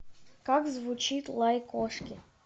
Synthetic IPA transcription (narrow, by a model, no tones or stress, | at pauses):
kaɡzvut͡ʃit̪lˠajkɔʂkʲɪ